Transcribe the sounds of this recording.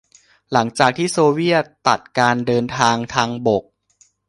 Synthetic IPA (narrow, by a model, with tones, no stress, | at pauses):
la˩˦ŋt͡ɕaː˨˩k̚t̪ʰiː˥˩soː˧wi˥˩ɐt̪ːa˨˩t̪̚kaː˧ndɤː˧nt̪ʰaː˧ŋt̪ʰaː˧ŋbo˨˩k̚